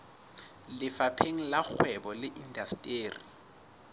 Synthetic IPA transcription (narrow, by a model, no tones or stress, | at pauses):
lɪfapʰeŋ̩lak͡xʰwɛbɔlɪʔindastʼeːri